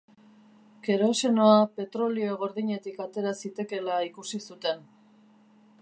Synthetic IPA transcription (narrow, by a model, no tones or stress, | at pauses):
ke̞ɾo̞se̞no̞ape̞t̪ɾo̞lioeɣo̞ɾðiɲe̞t̪ikat̪e̞ɾasit̪e̞ke̞laikusisut̪e̞n